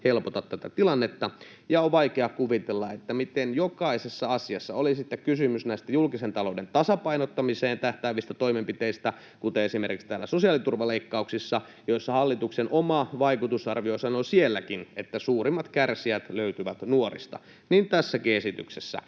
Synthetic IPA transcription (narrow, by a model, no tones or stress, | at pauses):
helpot̪ɑt̪t̪æt̪æt̪ilɑnːet̪ːɑ | jɑoʋʋɑikeɑkuʋit̪elːɑet̪ːæmit̪enjokɑisesːɑɑsiɑsːɑolisit̪ːekkysymysnæˑist̪æjulkisent̪ɑloudent̪ɑsɑpɑinot̪ːɑmiseːnt̪æht̪æːʋist̪æt̪oimempit̪eist̪æ | kut̪eesimerkikst̪æːlːæsosiɑlit̪urʋɑleikːɑuksisːɑ | joisːɑhɑlːit̪uksenomɑʋɑikut̪usɑrʋiosɑnosielːækinet̪ːæsuːrimːɑt̪kærsiæt̪løyt̪yʋæt̪nuorḭst̪ɑ̰ | niːnt̪æsːækiesit̪y̰ksesːæ̰